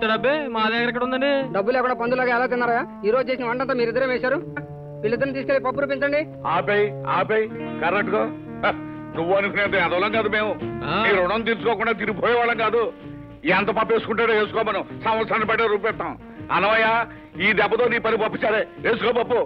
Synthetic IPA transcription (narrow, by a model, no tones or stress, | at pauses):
ʈɖɐbːemaːd̪ɛːkɐɾɛkːɐɽund̪ɐɳɖiɖɐbːulɛːkuɳɖaːpɐnd̪ulaːɡaːɛlaːt̪̬inːaːɾɐjaːiːɾo̞ːd͡ʒt͡ʃe̞ːs̬inɐʋɐɳʈɐnt̪ɐːmiːɾid̪ɐɾemeːsaːɾu | ilːid̪ːɐɾnut̪iːs̬kelːipɐpːuɾuːpiɲt͡ʃɐɳɖi | aːpejia̰ːpejikɐɾek̚ʈɡo | nuʋːuɐnukʰunent̪ɐɐd̪ɐʋːlɐŋkaːd̪umeːmumiːɾuɽɐnt̪iɾusukɔːkuɳɖaːt̪̬iɾibʱoːjɐʋaːɭɐŋɡaːd̪u | ɛnt̪ɐpɐpːeːsu̥kuɳʈaːɽeeːsu̥kɔːmɐnɐmsɐmʋɐɾsʰaːnnipɐʈːeɾuːpɛʈt̪ːaːw | ɐnːɐʋɐjːaː | iːd̪ɛbːɐt̪oːniːpɐnipɐpːit͡ʃːaːɾeeːsukaːbɐpːu